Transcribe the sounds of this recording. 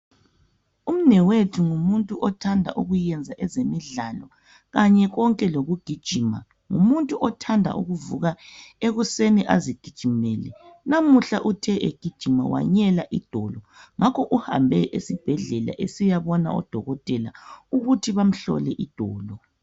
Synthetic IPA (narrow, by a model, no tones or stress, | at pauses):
um̩nɛwetʰuŋumuntʼuʔɔtʰandʱa̰ʔuɣujɛnd͡zʱaʔɛzemiɮalɔ | ɣaɲɛɣɔŋkʼɛloɣuɡ̥ʱid̥ʒ̥ʱima̰ | ŋṵmuntʼuʔɔtʰandʱa̰ʔuɣuvuɣaeɣuseniʔaziɡ̥ʱid̥ʒ̥ʱimɛːlɛ̰namuɬaʔutʰɛʔeɡ̥ʱid̥ʒ̥ʱima̰wa̰ɲɛlaʔid̥ʱɔlɔ | ŋʔakʰɔʔuha̰mbʱɛʔesib̥ʱɛɮɛla̰ʔesijaβɔna̰ɔ̰d̥ʱɔɣɔtʼɛla̰uɣutʰiβam̩ɬɔ̰lɛʔid̥ʱɔːlɔ